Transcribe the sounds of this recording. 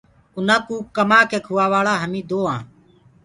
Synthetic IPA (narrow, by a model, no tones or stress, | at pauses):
ʊnãːkuːkːəmaːkeːkʰʊʋaːʋaːɭaːɦəmĩːd̪oːãː